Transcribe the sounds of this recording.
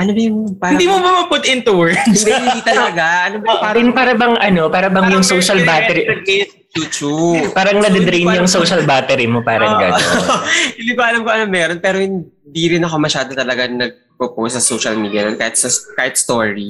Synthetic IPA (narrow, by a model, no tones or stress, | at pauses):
ʔɐnobɐjʊŋpaːɾɪnd̪iːmobɐmɐpʊt̪ʔɪnt̪ʊwɛɹɪnd̪it̪ɐlɐɡaʔɐnobɐpaːd̪ɪnpaːɾɐbɐŋʔɐno̞paːɾɐbɐŋjʊŋsowʃɐlbatɛɾiɐɡ̚ɛ | t͡ʃut͡ʃupaːɾɐŋnɐd̪ɛd̪ɾijnjʊŋsoʃɐlbaːt̪ɛɾimopaːɾɐŋɡɐ̰n | ɪlibɐʔɐlɐmkoɐnɐmːɛːɾonpɛːɾohɪn | d̪iɾɪnɐko̞mɐʃaːd̪ot̪ɐlɐɡanɐɡ̚pɾoposɐsowʃɐlmid̪jɐnonkaːhɪt̪̚sɐskaːhɪt̪̚st̪oɹi